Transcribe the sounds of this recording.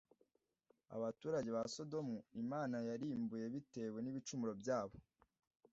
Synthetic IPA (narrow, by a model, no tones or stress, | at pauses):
a̰βatuːɾaɟe̞βaso̞do̞muimaːnajaɾiːmbuje̞βite̞we̞niβit͡ʃumuɾo̞bjaːβo̞